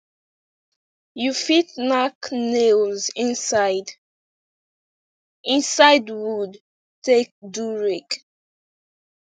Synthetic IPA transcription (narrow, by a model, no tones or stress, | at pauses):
jufit̚naknelzĩnsaɪd | ĩnsaɪdwud | tek̚duɹik